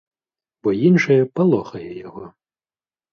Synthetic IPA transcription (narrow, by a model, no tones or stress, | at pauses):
bɔjinʂɐjɛpalˠɔxɐjɛjaɣɔ